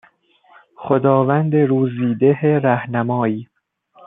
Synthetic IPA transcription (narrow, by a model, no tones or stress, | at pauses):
xod̪ɒːvænd̪eɾuːziːd̪eɦeɾæhnæmɒːjiː